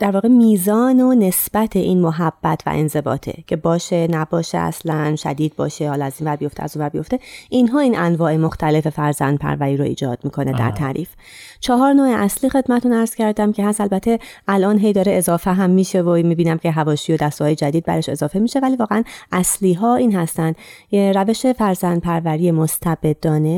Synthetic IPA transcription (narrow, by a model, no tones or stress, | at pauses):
d̪̥æɾvɒːɣemiːzɒːnone̞sb̥æt̪ʰeʔiːnmoɦæb̥ːæt̪ʰvæ̰ʔḛnze̞bɒ̰ːt̪ʰḛcʰe̞bɒːʃenæbɒːʃḛæ̰slænʃæ̰d̪iːd̪̚bɒ̰ːʃehɒːlɒæzinvæɾbijo̞ft̪eæ̰zunvæɾbijo̞ft̪e̞ʔinɦɒːiːnʔænvɒːʔemoxt̪ʰæle̞fe̞fæɾzæ̰nd̪̥̚pʰæ̰ɾvæɾiːɾoḭːd͡ʒɒ̰ːd̪̥̚miːkʰo̞ned̪æ̰ɾt̪ʰæ̰ɾḭːf | t͡ʃʰɒɦɒːɾnoːeʔæsliːxe̞d̪mæt̪ʰunæɾz̥cʰæɾd̪æmcʰeɦæsælbæt̪ʰːe̞ælʔɒːnɦe̞jd̪ɒːɾeezɒːfeɦæmːiːʃevomiːbiːnæmcʰe̞ɦævɒːʃijod̪æst̪oɒːjed͡ʒæd̪iːd̪̚bæ̰ɾeʃe̞̰zɒːfe̞miːʃe̞væliːvɒːɣeænʔæsliːɦɒːiːnɦæst̪ænd̪ɾæve̞ʃe̞fæɾzænd̪̚pʰæɾvæɾijemost̪ʰæbe̞d̪̚ːɒːne